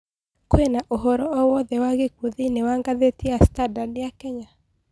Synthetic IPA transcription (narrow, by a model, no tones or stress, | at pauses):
koenaʔoɦɔɾɔɔwɔðɛwaɣekuðinewaŋɡaðetiastadadejakɛɲa